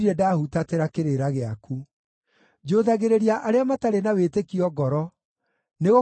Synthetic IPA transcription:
iɾɛdaːhutateɾakeɾeɾaɣeaku | d͡ʒoðaɣeɾeɾiaʔaɾeamataɾenawetekiɔɡɔɾɔ | neɣo

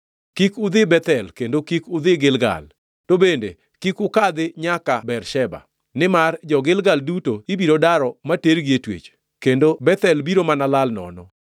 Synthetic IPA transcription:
kikʊd̪ɪbɛt̪ɛlkendokikʊd̪ɪɡɪlɡa̰l | tobendḛ | kikʊkad̪ɪɲakabɛɾʃɛba̰ | nɪmard͡ʒɔɡɪlɡaldutoibiɾodaɾɔmateɾɡietwḛt͡ʃ | kendobɛt̪ɛlbiɾomanalalnɔ̰nɔ

